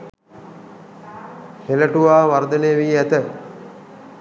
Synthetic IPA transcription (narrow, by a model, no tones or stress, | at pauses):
heləʈuʋaːʋaɾd̪əneːʋiːæt̪ə